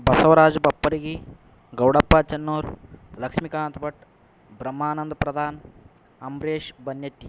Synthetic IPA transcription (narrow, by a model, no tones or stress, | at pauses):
bʱɐsɐʋɐɾaːd͡ʒɐbɐpːɐɾiɡi | ɡɐwɽɐpːaːt͡ʃɐnːoːɾlɐkʂmikaːnt̪bɐʈ | bɾɐmːaːnɐnd̪pɾɐd̪ʱaːn | ɐmɾeːʃbɐnjɐt̪ːi